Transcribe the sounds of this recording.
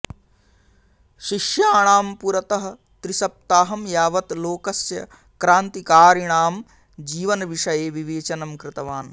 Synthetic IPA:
ʃiʃjaːɳaːmpuɾɐt̪ɐɦɐ̆ | t̪ɾisɐp̚t̪aːɦɐmjaːʋɐt̪loːkɐsjɐ̰ | kɾaːnt̪ikaːɾiɳaːm | d͡ʒiːʋɐnɐʋiʂɐjeːʋiʋeːt͡ʃɐnɐmkɾɪt̪ɐʋaːn

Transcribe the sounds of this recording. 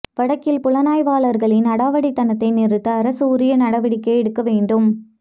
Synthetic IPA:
ʋɐɽɐkːɪlpʊɭɐnaːjʋaːlɐɾɣɐɭɪnɐɽaːʋɐɽit̪ːɐnɐt̪ːɐɪnɪɾɯt̪ːɐːɾɐsɯʊɾɪjɐnɐɽɐʋɐɽɪkːɐɪɛɽɯkːɐʋeːɳɖɯm

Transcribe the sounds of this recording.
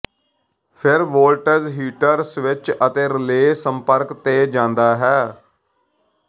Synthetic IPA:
pʰɪɾʋoːlʈəɾzɦiːʈəɾsʋɪt͡ʃət̪eːɾɪleːsəmpəɾkt̪eːd͡ʒãːnd̪aːɦɛː

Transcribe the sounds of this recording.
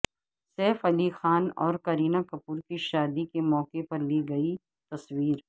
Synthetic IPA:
sɛːfɐlixaːnɔ̰ːɾkɐɾiːnakɐpuːɾkiʃaːd̪ikemɔːkepɐɾliɡɐi | t̪ɐswiːɾ

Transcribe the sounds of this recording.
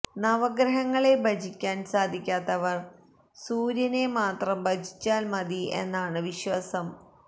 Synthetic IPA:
nɐʋɐɡɾɐɦɐŋːɐɭe̞bʱɐd͡ʑʱikʲːaːnsaːd̪ʱikʲːaːt̪ːɐʋɐr | suːɾjɐnemaːt̪rɐmbɐd͡ʑʱi̥t͡ɕʲːaːlmɐd̪ie̞̰nːaːɳɨʋiɕwɐsɐm

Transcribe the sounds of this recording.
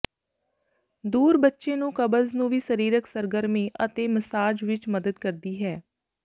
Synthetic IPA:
d̪uːɾbətːʃeːnũːkəbəznũːʋiːsəɾiːɾəksəɾɡəɾmẽːʔət̪eːməsaːd͡ʒʋɪt͡ʃməd̪əd̪kəɾd̪iːɦɛː

